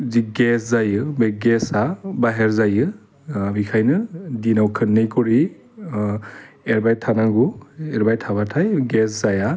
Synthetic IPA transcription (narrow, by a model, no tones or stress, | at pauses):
ziɡeszajɯbeɡesabaɦeɾzajɯ | bikʰajnɯdinawkʰɯnːejkɔɾi | eɾbajtʰanaɡueɾbajtʰaβatʰajɡeszaja